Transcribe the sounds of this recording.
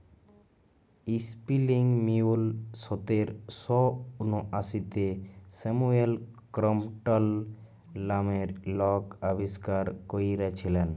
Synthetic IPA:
ispiliŋɡmiulsɔt̪eɾsɔunoʔasit̪esemuelkɾɔmʈəlː | ameɾlɔkabiskaɾkoiɾat͡ʃʰilɛn

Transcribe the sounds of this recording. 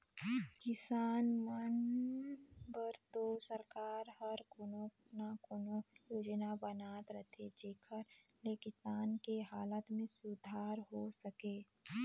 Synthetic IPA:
kɪsaːnmən | bəɾt̪osəɾkaːɾhəɾkonõnakonojoːd͡ʒnabənaːt̪ɾət̪ʰed͡ʒeːkʰəɾlekɪsaːnkeɦaːlət̪mẽsʊd̪ʱaːɾɦosəkeː

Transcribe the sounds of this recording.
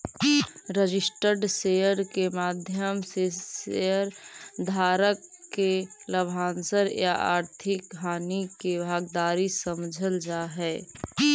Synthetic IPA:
ɾəd͡ʒɪsʈəɾɖseəɾkemaːd̪ʱjəmseseəɾd̪ʱaːɾəkːeləbʱaːnsəɾja̰ʔa̰ːɾt̪ʰɪkɦaːnikebʱaːɡd̪aːɾisəmd͡ʒʱəld͡ʒaːɦɛː

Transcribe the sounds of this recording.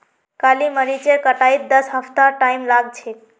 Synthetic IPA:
kaliməɾit͡ʃekəʈait̪̚d̪əsɦəpt̪aʈaimlaɡt͡ʃʰe

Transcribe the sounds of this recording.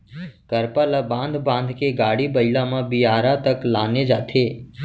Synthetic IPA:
kəɾpalabãːnd̪ʱbãːnd̪ʱkeɡaːɽibəɪlãmãbiaːɾat̪əklaːned͡ʒaːt̪ʰeː

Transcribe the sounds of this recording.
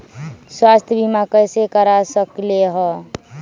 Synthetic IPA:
swast̪ʰjəbimakəjsekəɾasəkleɦɔ

